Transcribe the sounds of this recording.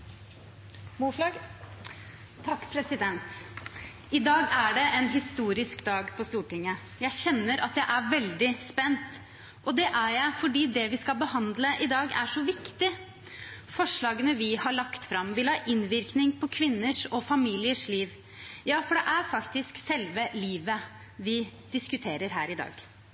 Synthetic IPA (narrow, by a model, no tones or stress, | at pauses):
mu | t̪ʰɑkːpʰɾɛsɪd̪ɛnt̪ | ɪd̪ɑːɡæɖɛʔɛnɦɪst̪uːɾɪskd̪ɑːɡpʰɔst̪uːʈɪŋːə | jæɪçɛnːəɾɑt̪̚j̪æɪʔæɾʋɛld̪ɪspɛnt̪ | ʔɔd̪ɛʔæjæɪfɔɖiːd̪ɛʋɪskɑlbəhɑnd̪ləʔɪd̪ɑːɡæ̰ʂɔʋɪkt̪ɪ | fɔʂɭɑːɡənəʋɪhɑɭɑkt̪fɾɑmʋɪlhɑːʔɪnʋɪɾknɪŋpʰɔkʰʋɪnːəʂɔfɑmiːlɪəʂliːʋ | jɑːfɔɖɛʔæɾfɑkt̪ɪsksɛlʋəliːʋə | ʋɪd̪̥ɪskʉt̪ʰeːɾəɾɦæ̰ːɾɪd̪ɑ̰ːɡ